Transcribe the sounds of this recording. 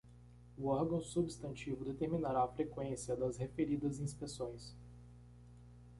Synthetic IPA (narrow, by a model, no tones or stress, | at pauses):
ʊɔɾɡɐ̃w̃subist̪ɐ̃nt͡ʃivʊd̪et̪eɾminaɾaːfɾekwẽsiɐd̪ɐzhefeɾid̪ɐzĩspesõj̃s